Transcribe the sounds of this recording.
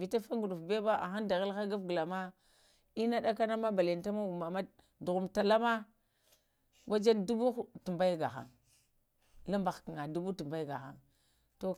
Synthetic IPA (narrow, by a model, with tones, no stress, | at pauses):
vi˨ta˦fa˦ŋɡu˨ɗu˨fbe˦ba˦a̰˨xa˦nda˨ɣa˦lxa˦ɡa˦vɡə˨la˨ma˦ | i˦na˦ɗa˦ka˦na˦ma˦ba˨le˨nta˦ma˦u˨ma˨ma˦ | du˨ɣu˨mta˨la˦ma˦ | wa˦d͡ʒa˦ndu˦bu˦xtu˨mba˦jɡa̰˨xa̰˨ŋ | la˦mba˨xki˨ŋa˨du˦bu˦tu˨mba˦jɡa˨xa̰˦ŋ | to˦